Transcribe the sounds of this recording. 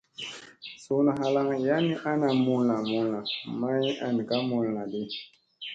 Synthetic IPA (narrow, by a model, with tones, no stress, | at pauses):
so˨nɔ˨ɦa˨la˦ŋja˦ni˦ʔa˦na˨mu˦la˨mu˦la˨ma˦ji˦ʔa˨ni˨ka˦mu˨˦˨nː˨a˨de˦